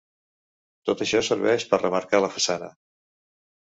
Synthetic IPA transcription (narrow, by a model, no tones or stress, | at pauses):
t̪ot̪əʃɔsəɾβɛʃpərrəməɾkaləfəsanə̰